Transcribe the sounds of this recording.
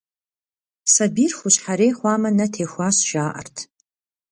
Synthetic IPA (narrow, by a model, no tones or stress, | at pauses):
sɐbiːrxʷʊɕħaɾeːχʷaːmɐnɐtʰeːxʷaːsʒaːʔɐ̰rtʰ